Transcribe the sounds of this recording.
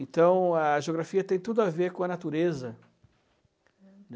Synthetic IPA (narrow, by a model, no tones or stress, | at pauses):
ẽnt̪ɐ̃w̃ɐʒeoɡɾafiɐt̪ẽj̃t̪ud̪ʊaveɾkõɐnat̪uɾezɐ | n